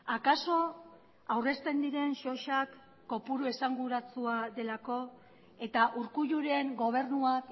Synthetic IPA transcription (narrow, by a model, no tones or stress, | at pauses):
akaso̞ | awre̞st̪e̞nd̪iɾe̞nʃo̞ʃakː | o̞puɾue̞saŋɡuɾat͡suaðe̞lako̞ | e̞t̪aʔuɾkuʝuɾe̞ŋɡo̞β̞e̞rnuak